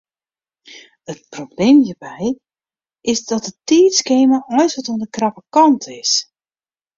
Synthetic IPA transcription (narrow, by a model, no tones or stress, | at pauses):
ət̚probleːmjiːrbɛj | ʔɪsdɔt̚dətiːtskeːməʔɔjsʋɔtoəndəkrɑpəkɑntʰɪs